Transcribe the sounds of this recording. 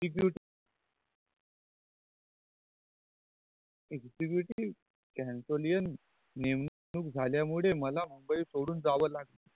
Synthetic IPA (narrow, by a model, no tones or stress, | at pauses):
ibjuʈi | ekd͡ʑibjuʈiː | kɛ̃nsolijənː | emn | nuːk̚d͡zʱaljamuɭeməlam̤əmbəiːsoɽuːnd͡zaʋəlaɡlə